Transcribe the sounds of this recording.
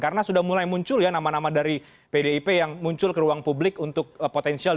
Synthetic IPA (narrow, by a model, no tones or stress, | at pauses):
kaɾənasudahmulajmuɲt͡ʃʊljanamanamadaɾi | pedeipejaŋmuɲt͡ʃʊlkəɾuaŋpublɪkunt̪ʊk̚pot̪ɛnsial